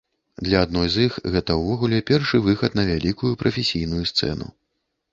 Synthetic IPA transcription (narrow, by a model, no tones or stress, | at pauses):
d̪lʲɐad̪nɔjzixɣɛt̪ɐwvɔɣulʲɛpʲɛrʂɨvɨxɐt̪nɐvʲalʲikujupɾʔɐfʲesʲijnujust̪sɛ̰nṵ